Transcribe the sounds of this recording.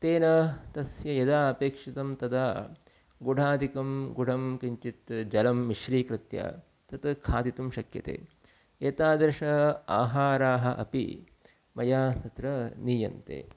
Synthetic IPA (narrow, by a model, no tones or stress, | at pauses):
t̪eːnɐt̪ɐsjɐjɐd̪aːɐpeːkʂit̪ɐmt̪ɐd̪aː | ɡuɖʱaːd̪ʱikɐmɡuɖʱɐmkiɲt͡ʃit̪d͡ʒɐlɐmːiʃɾiːkɾɪt̪ja̰ | t̪ɐt̪kʰaːd̪it̪umʃɐkjɐ̰t̪ḛː | eːt̪aːd̪ɐɾʂɐa̰ːɦaːɾaːɦɐʔɐ̰pḭ | mɐjaːt̪ɐt̪ɾɐniːjɐnt̪ḛː